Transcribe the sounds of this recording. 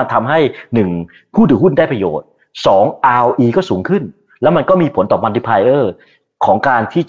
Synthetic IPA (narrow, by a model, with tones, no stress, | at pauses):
nt̪ʰa˧mɦa˥˩jnɯ˨˩ŋ | pʰuː˥˩dɯː˨˩˦ɦu˥˩ndaː˥˩jpɾa˧jo̰ː˨˩t̪̚ | sɔː˩˦ŋʔaː˧wʔiː˧kɔː˥˩suː˩˦ŋkʰɯ˥˩n | lɛː˦˥wma˧nkɔː˥˩miː˧pʰo˩˦nt̪ɔː˨˩pma˧ndi˧˩pʰaː˧jʔɤː˥˩ | kʰɔː˩˦ŋkaː˧nt̪ʰiː˥˩